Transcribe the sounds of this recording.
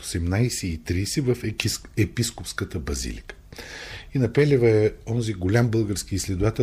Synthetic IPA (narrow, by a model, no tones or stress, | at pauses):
osɛmnajsɛit̪ɾisɛvəfɛpiskopskət̪əbɐzḭlʲḭkə̥ | inɐpɛlʲɛvəɛɔnziɡolʲambɤlˠɡəɾskiːslɛd̪ovat̪ɛ